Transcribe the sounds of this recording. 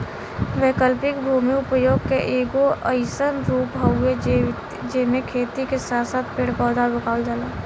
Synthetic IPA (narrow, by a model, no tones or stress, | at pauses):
ʋeːkəlpɪkbʱuːmiʊpəjoːɡkeʔeːɡoʔəɪsənɾuːpɦəe | d͡ʒeːmẽkʰeːt̪ikesaːt̪saːt̪̚peɽpɔːd̪abəkaːld͡ʒaːlaː